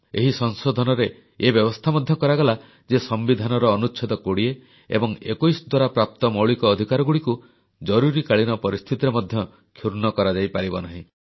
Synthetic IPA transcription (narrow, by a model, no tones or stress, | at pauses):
eɦisɔŋsod̪ʱɔnɔɾe | ebjɔbɔst̪ʰamɔd̪ʱjɔkɔɾaɡɔla | d͡ʒesɔmbid̪ʱanɔɾɔːnut͡ʃʰid̪ɔkoɽie | ḛbɔŋḛkojsɔd̪waɾapɾap̚t̪ɔmɔwɭikɔːd̪ʱikaɾɔɡuɽiku | d͡ʒɔɾuɾikaɭinɔpɔɾist̪ʰit̪iɾemɔd̪ʱjɔ | kʰjuɾnɔkɔɾad͡ʒajpaɾibɔnaɦĩ